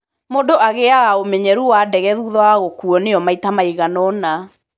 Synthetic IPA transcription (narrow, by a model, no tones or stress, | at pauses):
modoʔaɣeaɣaomɛɲɛɾuwadɛɣɛðuðɔaɣokuɔneɔmaitamaiɣanɔna